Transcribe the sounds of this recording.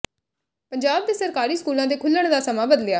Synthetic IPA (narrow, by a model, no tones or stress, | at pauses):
pəɲd͡ʒaːb̚d̪eːsəɾkaːɾiːskuːlãːd̪eːkʰʊlːəɳ̃d̪aːsəmãːbəd̪lɪjaː